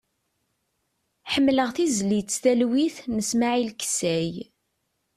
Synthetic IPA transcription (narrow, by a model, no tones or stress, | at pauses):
ħəmːləʁθizlit͡sːθælwiθnəsmaʕilksæj